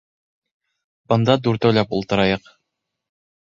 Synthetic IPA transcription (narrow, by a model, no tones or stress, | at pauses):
bɤ̆nd̪ɑd̪uɾt̪ɵ̆wlæpṵlˠt̪ɤ̆ɾɑjɤq